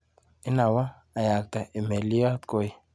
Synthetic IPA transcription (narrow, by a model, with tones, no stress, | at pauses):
i˦na˨wa˦ | a˨ja˨kta˨ʔe˨me˨li˦a˦t̪ko˦˨i˨